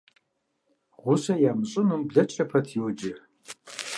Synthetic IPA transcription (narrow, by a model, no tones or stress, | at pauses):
ʁʷʊsɐjaːmɕʼɪnumbɮɐt͡ʃʼɐpʰɐtʰjiwd͡ʒɪ